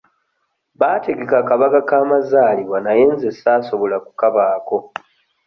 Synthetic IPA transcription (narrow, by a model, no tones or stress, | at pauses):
βaːte̞ɡe̞kakaβakakaːmazaːliβwanaje̞ːnzesaːso̞βo̞laku̥kaβaːko̞